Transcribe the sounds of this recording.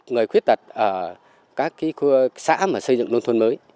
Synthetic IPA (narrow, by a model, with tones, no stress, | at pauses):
ŋɨ˨˩əjxwi˦˥ət̚t̪ʰə˨˩t̚ʔəː˧˩ | kaː˦˥kːi˨˦xu˧sa̰ː˧˥maː˨˩sə˧zɨ̰˧˨ŋlnt̪ʰwə˧nməː˨˦j